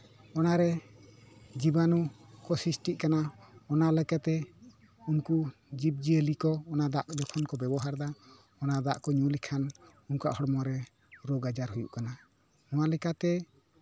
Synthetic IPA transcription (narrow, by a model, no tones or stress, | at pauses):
ɔnaɾɛ | d͡ʒibanukɔsisʈiʔkanaɔnalɛkat̪ɛ | unku | d͡ʒip̚d͡ʒiəlikɔːnad̪aʔd͡ʒɔkʰɔnkɔbɛbɔɦaɾd̪a | ɔnad̪aʔkɔɲulikʰan | unkuɾa̰ʔhɔɽmɔɾɛ | ɾɔɡad͡ʒaɾɦujṵʔkana | ɔ̃walɛkat̪ɛ